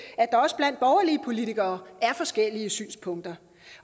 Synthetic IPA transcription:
æd̥ɑ̈ɒ̽səb̥læn̰d̥̚b̥ɒʊɐliəpʰo̝lit͡sʰiɡ̥ɐːæɐfɒ̽sɡ̥el̰iəsy̰ːnspʰɔ̽ŋ̰d̥ɐ

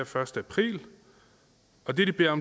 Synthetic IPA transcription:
ɐfɶɐsd̥əæpʰʁḭːl | ɒ̽d̥e̝ɐd̥ib̥e̝̰ːɐɒ̽m

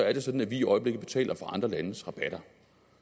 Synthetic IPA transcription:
ɒæɐɾ̥e̝sɒ̽d̥n̩æʋiiʔɒ̽ɪəb̥le̝ɡð̩b̥e̝̥t͡sʰɛ̰ːlʔɐfɒʔɑ̈nd̥ʁɐlænəsʁɑ̈b̥æɾ̥ɐ

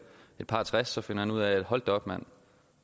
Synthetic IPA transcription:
e̝d̥̚pʰɑ̈ːt͡sʰʁasːɒ̽fe̝n̰ɐhænuð̰ˠæe̝d̥hɒ̽l̰d̥ɒ̽b̥mæn̰

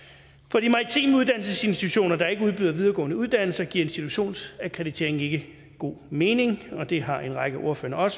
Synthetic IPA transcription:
fɒ̽d̥imɑ̈t͡sʰḭːmuðˠd̥æn̰l̩səse̝nsd̥i̥t͡sʰuɕo̝̰ːnɐd̥ɑ̈ɐe̝ɡ̥əuð̞ˠb̥yð̞ˠɐʋið̞ˠɐɡɔ̰̽ːnəuð̞ˠd̥æn̰l̩sɐɡ̥iɐ̰e̝nsd̥it͡sʰuɕo̝̰ːnsækʰʁɛðˠit͡sʰe̝ɐeŋn̩e̝ɡ̥ə | ɡ̥o̝̰ːme̝ːne̝ŋɒ̽d̥e̝ɦɑ̈ʔe̝nʁɑ̈ɡ̥əʔo̝ɐfø̰ːɐʔɒ̽sə̥

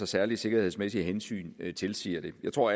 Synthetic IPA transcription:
ɒsæɐli̥se̝ɡ̥ɐheðˠsmesiəɦensy̰ːnt͡sʰe̝lsiːɐd̥e̝jɑ̈ɪt͡sʰʁo̝ɐ̰

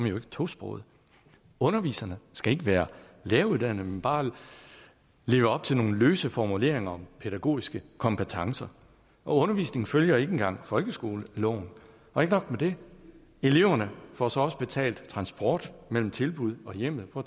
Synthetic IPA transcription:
ɒmjoe̝ɡ̥ə̥t͡sʰo̝sb̥ʁɔ̰ʊð̞̩ˠ | ɔ̽nɐʋḭːsɐnəsɡ̥æe̝ɡ̥əʋæːɐ | leːɐuðˠd̥æn̰ð̩ˠmenb̥ɑ̈ː | le̝ːʊəɒ̽b̥̚t͡sʰe̝lno̝ːn̩løːsəfɒmule̝̰ɐ̰e̝ŋɐɒ̽mpʰeɾ̥æɡ̥o̝̰ːisɡ̥əkʰɒ̽mpʰət͡sʰɑ̈ŋsɐ | ʔɒ̽ɔ̽nɐʋḭːsne̝ŋŋ̩føljɐe̝ɡ̥enŋɡ̥ɑ̈ŋ̰fɒ̽lɡ̥əsɡ̥o̝ːləlɒʊ̰n | ʔɒ̽e̝ɡ̥ənɒ̽ɡ̥med̥e̝ | e̝le̝ʊɐnəfɒsɒ̽ɒ̽səb̥e̝t͡sʰɛ̰ːld̥t͡sʰʁɑ̈nsb̥ɒ̰ːd̥mel̰m̩t͡sʰe̝lb̥uð̞ˠɒ̽jem̰ð̩ˠpʰɒ̽

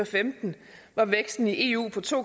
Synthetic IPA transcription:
ɐfemd̥n̩ | ʋɑ̈ʋeɡ̥sd̥n̩iʔe̝ːṵːpʰɒ̽t͡sʰo̝̰ː

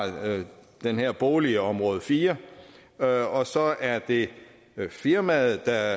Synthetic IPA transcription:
d̥enheɐ̰b̥oːliəɒ̽mʁɔ̽ːð̞̩ˠfiːɐ | ɒ̽sɒ̽ʔæɐd̥e̝ | fiɐmæð̩ˠd̥ɑ

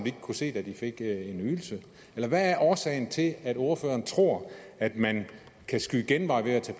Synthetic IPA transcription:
d̥ie̝ɡ̥ə̥kʰuse̝̰ːd̥æd̥ife̝ɡ̥e̝nyðˠl̩sə | elɐʋæːɐʔɒːsɛ̰ɪn̩t͡sʰe̝læd̥o̝ɐfø̰ːɐːnt͡sʰʁo̝ɐ̰æd̥mæn | kʰæsɡ̥uiɡ̥enʋɑ̈ɪʋe̝æt͡sʰɛ̰ːp

